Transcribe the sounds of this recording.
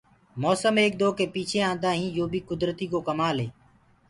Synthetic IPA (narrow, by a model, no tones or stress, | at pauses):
mɔːsəmeːk̚d̪oːkeːpiːt͡ʃʰeːãːnd̪aːɦĩːjoːbʱiːkʊd̪ɾt̪iːkoːkəmaːleː